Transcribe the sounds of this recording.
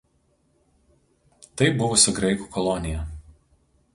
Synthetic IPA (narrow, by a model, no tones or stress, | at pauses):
t̪ɐɪbʊʋʊsʊɡɾɐɪku̥ːkɔlˠɔnʲɪjɛ